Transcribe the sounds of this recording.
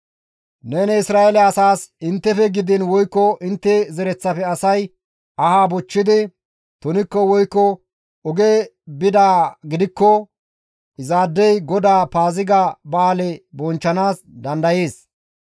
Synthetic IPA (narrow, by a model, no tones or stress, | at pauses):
nenɛɪsɾaːɛlɛɐsaːsɪnt̪ːɛfɛɡɪd̪ɪnwɔjkːɔʔɪnt̪ːɛzɛɾɛt͡sːɐpɛɐsɐj | ʔɐhaːbɔt͡ʃːɪd̪ɪ | t̪ɔnɪkːɔwɔjkːɔ | ɔɡeː | bɪd̪aːɡɪd̪ɪkːɔ | ɪzaːd̪ːɛjɡɔd̪aːpaːzɪɡabaːlɛbɔnt͡ʃːɐnaːs | d̪ɐnd̪ɐjeːs